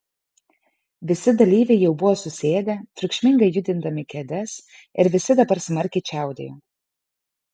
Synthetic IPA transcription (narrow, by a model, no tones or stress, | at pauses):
ʋʲɪsʲɪd̪ɐlʲiːʋʲɛɪjɛʊbʊʋoːsʊsʲeːd̪ʲɛt̪ɾʲʊkʃʲmʲɪŋɡɐɪjʊd̪ʲɪnd̪ɐmʲɪkʲɛd̪ʲɛs | ɪɾʋʲɪsʲɪd̪ɐbɐɾsmɐɾʲkʲɛɪt͡ʃʲæˑʊd̪ʲḛːjoː